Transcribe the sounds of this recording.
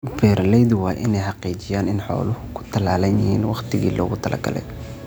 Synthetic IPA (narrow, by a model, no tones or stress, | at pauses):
bɛːɾlɛjðʊwɑːʔɪnɛjħɑqiːt͡ʃɪjaːnɪnħɔ̰ːlʊhʊkʰʊ̥t̪ʰɐlaːlɐnjɪhḭːnwɑχt̪ʰɪɣḭːlɔ̰ːɣʊt̪ʰɐlɐ̰ɡɐ̰lɛ̰j